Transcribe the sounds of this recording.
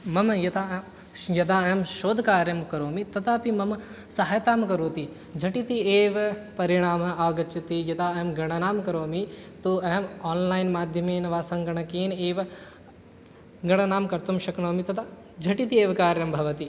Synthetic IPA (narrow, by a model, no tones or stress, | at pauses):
mɐmjɐt̪aː | jɐt̪aːɐɦɐmʃoːd̪ʱɐkaːɾjɐmkɐɾoːmit̪ɐt̪ʰaːpimɐm | sɐɦajt̪aːmkɐɾoːt̪i | d͡ʒʱɐʈit̪ieːʋɐpɐɾiɳ̃aːmɐaːɡɐt͡ʃɐt̪ijɐt̪aːɐɦɐmɡɐɳ̃ɐnaːmkɐɾoːmit̪oːɐɦɐmaːnlaːjnmaːd̪ʱjɐmeːnɐʋaːsɐmɡɐɳ̃ɐkeːneːʋɐ | ɡɐɳɐnaːmkɐɾt̪umʃɐkɳoːmit̪ɐt̪ʰaː | d͡ʒʱɐʈit̪ieːʋkaːɾjɐmbʱɐʋɐt̪i